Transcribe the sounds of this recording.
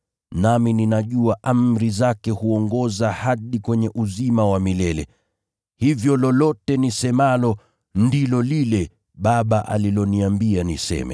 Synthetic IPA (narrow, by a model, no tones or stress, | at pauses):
namininaʄuaʔamɾizakɛhuɔŋɡɔzahaɗikwɛɲɛʔuzimawamilɛlɛ̰ | hivjɔlɔlɔtɛnisɛmalɔ | ndilɔlilɛ | ɓaɓaʔa̰lilɔniambianisɛ̰mɛ̰